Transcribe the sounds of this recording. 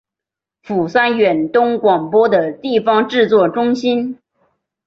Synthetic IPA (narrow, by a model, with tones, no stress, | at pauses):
fu˨˩sa˥nɥɛ˨˩nt̪ʊ˥ŋkwɑ˨˩ŋpwɔ˥d̪ə˨t̪i˥˩fɑ˥ŋʈ͡ʂɻ̩˥˧t͡swɔ˥˩ʈ͡ʂʊ˥ŋɕi˥n